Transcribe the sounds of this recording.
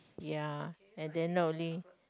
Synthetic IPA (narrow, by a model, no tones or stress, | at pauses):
ja | ɛ̃nd̪ɛ̃nnoʊli